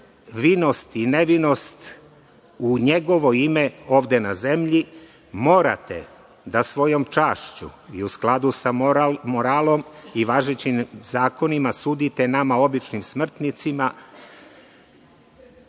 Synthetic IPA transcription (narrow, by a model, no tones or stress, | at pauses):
ʋino̞st̪ine̞ʋino̞st̪ | uɲeɡo̞ʋo̞imeo̞ːʋd̪e̞naze̞mʎi | mo̞ːɾa̰t̪ḛ | d̪asʋo̞jo̞mt͡ʃaːʃt͡ɕṵiusklˠad̪usamoɾaːlo̞miʋaʒet͡ɕimzaːko̞nimasuːd̪it̪enamao̞bit͡ʃnimsmr̩t̪nit̪sima